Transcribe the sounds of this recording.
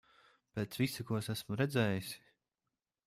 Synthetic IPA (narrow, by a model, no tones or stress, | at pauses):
peːt̪svisikuɔsæsmʊɾɛd̪zɛːjisi̥